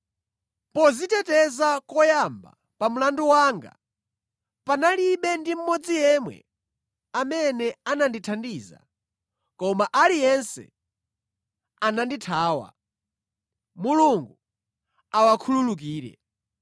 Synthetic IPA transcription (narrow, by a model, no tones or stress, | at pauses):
pɔzitɛtɛzakɔjamba̰ | pam̩landuwaːŋɡa̰ | panaliɓɛndim̩mɔd͡zijɛmwɛ̰ | amɛnɛananditʰandiːza̰ | kɔmaʔalijɛnsɛ̰ | ananditʰaːwa̰ | muluŋɡu | awakʰululuk̬iːɾɛ̰